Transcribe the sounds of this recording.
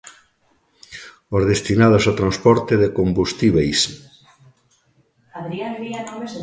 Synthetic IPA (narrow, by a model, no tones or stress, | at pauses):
ozðest̪inað̞osawt̪ɾanspɔɾt̪eðekombust̪iβejs | aðɾiand̪ianomez